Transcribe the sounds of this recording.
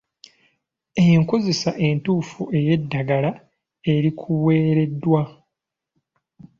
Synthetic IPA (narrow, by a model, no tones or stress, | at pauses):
ejeŋko̞ze̞saʔe̞ntuːfue̞je̞dːaɡala | e̞ɾikʰuwe̞ːɾe̞dːwa